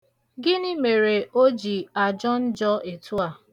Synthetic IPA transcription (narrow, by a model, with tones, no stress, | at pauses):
ɡɪ˦nɪ˦me˨ɾe˨o˦d͡ʒi˨a˨d͡ʒɔ˦n̩˦d͡ʒɔ˦e˨tu˦a˨